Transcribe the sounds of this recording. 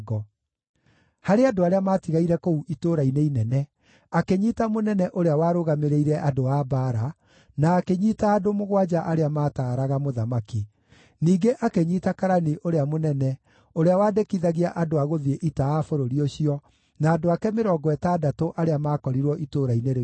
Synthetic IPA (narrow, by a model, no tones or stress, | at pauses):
ɡɔ | haɾeadoaɾeamaːtiɣaiɾɛkouʔitoːɾaineinɛnɛ | akeɲiːtamonɛnɛʔoɾeawaːɾoɣameɾeiɾɛʔadoaːbaɾa | naːkeɲitaːdomoɣwad͡ʒaʔaɾeamaːtaːɾaɣamoðamaki | niːɡeʔakeɲiːtakaɾaniʔoɾeamonɛnɛ | oɾeawaːdekiðaɣiaʔadoaɣoðieʔitaafoɾoɾioɕiɔ | naːdoakɛmeɾɔɡɔɛtaːdatoʔaɾeamaːkɔɾiɾwɔʔitoɾaineɾ